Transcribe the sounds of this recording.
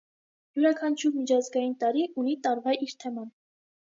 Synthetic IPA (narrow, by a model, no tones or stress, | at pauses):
juɾɑkʰɑnt͡ʃʰuɾmit͡ʃʰɑzɡɑjint̪ɑɾiʔunit̪ɑɾvɑiɾt̪ʰɛmɑn